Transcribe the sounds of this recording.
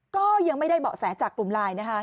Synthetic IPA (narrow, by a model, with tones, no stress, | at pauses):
kɔː˥˩ja˧ŋma˥˩jda˥˩jbɔ̰ː˨˩sɛː˩˦nt͡ɕaː˨˩k̚ːlu˨˩mlaː˧jna˦˥kʰa˦˥